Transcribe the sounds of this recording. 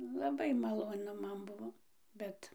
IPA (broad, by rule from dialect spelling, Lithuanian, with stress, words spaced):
lˠɐˈbɐɪ mɐlˠoːˈnʊ ˈmɐn ˈbʊʋoː ˈbʲɛt